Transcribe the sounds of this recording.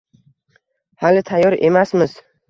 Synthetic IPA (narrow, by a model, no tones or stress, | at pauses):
halɪt̪ʰajɒɾe̞masmɪz̥